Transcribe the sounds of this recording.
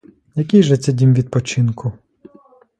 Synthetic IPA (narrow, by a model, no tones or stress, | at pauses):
jɐkʲijʒɛt͡sʲɛdʲimʋʲid̪̚pɔt͡ʃɪnkʊ